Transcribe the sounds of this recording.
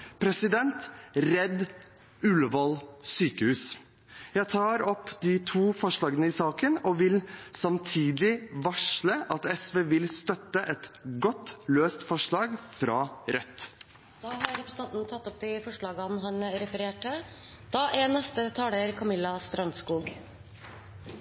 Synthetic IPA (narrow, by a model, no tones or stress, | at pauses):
pʰɾɛsɪd̪ɛnt̪ɾɛd̪ | ʉlʋɑlsyːkəhʉːs | jæɪt̪ʰɑːɾɔpːd̪ɪt̪ʰuːfɔʂɭɑːɡənəɪsɑːkənɔʋɪlsɑmt̪ʰiːd̪lɪʋɑʂɭəʔɑt̪ɛsʋeːʋɪlst̪œt̪ːəʔɛt̪ɡɔt̪ːløːst̪fɔʂɭɑːɡfɾɑːɾœt̪ː | d̪ɑːhɑɾɾɛpɾəsə̥n̩ɑnt̪nət̪ʰɑt̪ːɔp̚d̪ɪfɔʂɭɑːɡɑnɦɑnɾɛfəɾeːʈə | d̪̥ɑːʔeːnɛst̪ət̪ʰɑːləɾkʰɑmɪlːɑst̪ɾœnskuːɡ